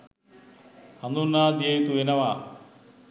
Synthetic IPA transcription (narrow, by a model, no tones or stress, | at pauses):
hɐnd̪unːaːd̪ejt̪uenɐʋaː